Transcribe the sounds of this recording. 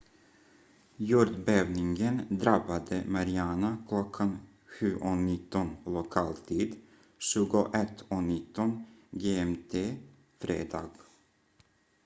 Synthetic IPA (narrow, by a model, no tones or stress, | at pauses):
juːɾd̪beːvnɪŋɡənd̪ɾabad̪əmaɾɪanakʰlɔkʰːan | ɧʉ̟ːʔɔnɪt̪ːɔnlʊkʰɑːlt̪ʰiːd̪ | ʃʉ̟ːɡʊʔɛt̪ːɔnɪt̪ːɔnɡeːɛmt̪ʰeː | fɾḛːd̪ɑ̰ːɡ